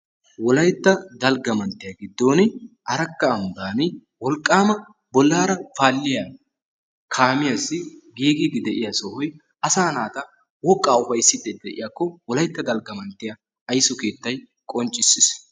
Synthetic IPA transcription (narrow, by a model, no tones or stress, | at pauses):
wɔlɐjt̪ːɐd̪ɐlɡɐmɐnt̪ːɪjaɡɪd̪ːo̞ːnɪʔɐɾɐkːɐːmbaːnɪ | wɔlkʼːaːmɐ | bɔlːaːɾɐfaːlːɪjaː | kʰaːmɪjasːɪɡiːɡɪd̪ɪd̪ɛʔɪjasɔhɔj | ɐsaːnaːt̪ɐ | wɔkʼːaːʊfɐjsːɪd̪ɛd̪ɛʔɪ̰jakːɔwɔlɐjt̪ːɐd̪ɐlɡɐmɐnt̪ːɪja | ɐjsɔke̞ːt̪ːɐj | kʼɔnt͡ʃʼːɪsːɪs